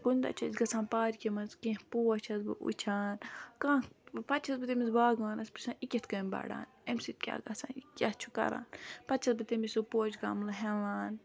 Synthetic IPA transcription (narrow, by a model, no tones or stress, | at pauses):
ɡund̪ɐ̰t͡ʃʰɐzɡɐsaːnpaːɾikʲemɐnzkẽːhpoɐt͡ʃʰɐzbɨ̰ʔṵt͡ʃʰaːnkãːpɐt͡ʃʰɐzbɨt̪emizbaːɡaːnɐspɨ̥sãːnikʲet̪kɐmba̰ːɽa̰ːnemsit̪̚kʲa̰ːɡɐsã̰ːnikʲɐst͡ʃʰu̥kɐ̰ɾa̰ːnpɐt̪t͡ʃʰɐzbɨt̪emisopoːt͡ʃɡa̰ːmlɐɦelaːn